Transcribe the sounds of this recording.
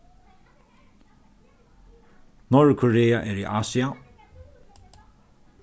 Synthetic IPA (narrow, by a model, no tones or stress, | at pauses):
nɔɹkʰɔɹeːaʔɛɹḭːʔaːsia